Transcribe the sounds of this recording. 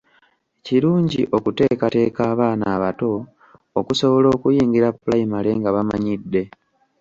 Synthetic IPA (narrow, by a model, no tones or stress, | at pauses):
eciɾuːɲɟiʔo̞kute̞ːkate̞ːkaːβaːnaːβato̞ː | kuso̞βo̞lo̞ːkujiːŋɡiɾapːulaimale̞ŋɡaβamaɲidːe̞